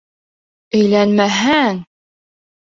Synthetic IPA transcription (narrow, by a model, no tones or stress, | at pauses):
ɵ̆jlænmæɦæŋ